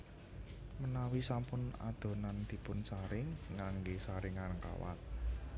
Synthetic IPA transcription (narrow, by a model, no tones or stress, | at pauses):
mənawisampʊna̰d̪̥o̤nand̪̥i̤pʊnsaɾɪŋːaŋɡesaɾɪŋanəŋka̰wa̰t̪̚